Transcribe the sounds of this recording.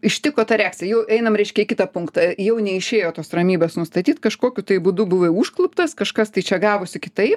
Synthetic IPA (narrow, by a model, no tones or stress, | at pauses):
ɪʃʲt̪ʲɪkoːt̪ɐɾʲæːksʲɛjɛʊʔɛɪnɐmɾʲɛɪʃʲkʲɛɪkʲɪt̪ɐpʊŋkt̪ɐjɛʊnʲɛɪʃʲeːjoːt̪oːsrɐmʲiːbeːsnʊst̪ɐt̪ʲiːt̪kɐʃkoːkʲʊt̪ɐɪbud̪ʊbʊʋɐuːʃklˠʊpt̪ɐskɐʃkɐst̪ɐɪt͡ʃʲɛɡɑːʋosʲɪkʲɪt̪ɐɪp